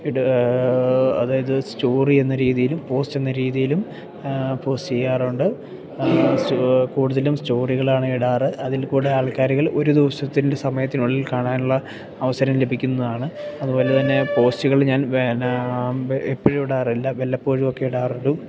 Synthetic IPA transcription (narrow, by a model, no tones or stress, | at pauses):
iɽ | ɐ̰ðaːjɐðɨsto̞ːrienːɐɾiːðijilumpo̞ːste̞nːɐɾiːðijilum | po̞ːstejaːruɳɖɨ | skuːɽuðɐlumsto̞ːriɣɐɭaːɳɨiɽaːrɨʔɐðilkuːɽeaːɭkaːɾiɣɐɭo̞ɾud̪iʋɐsɐt̪ːinde̞sɐmɐjɐt̪ːinuɭːilkaːɳaːnuɭːɐː | ʋɐsɐɾɐmle̞bʱikʲːunːɐðaːɳɨɐðubo̞ːle̞t̪ɐnːe̞po̞ːstuɣɐɭɲaːnʋe | epːɐɻuiɽaːrilːɐʋelːɐpːoːɻumo̞kːe̞iɽaːruɳɖu